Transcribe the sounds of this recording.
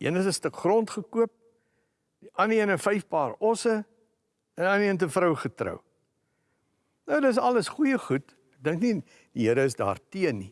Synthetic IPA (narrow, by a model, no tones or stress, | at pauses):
ḭənəs̬əstəkχrɔntχəkuəp̚ | diʔɐniənəfɐjfpɑːrɔsə | ənɐniənt̬əfɾəwχətrə̰w | nəwdəs̬ɐləsχujəχut | ɛk̚dəŋkni | d̥iɦiəɾəːsdɑ̰ːrtiənːi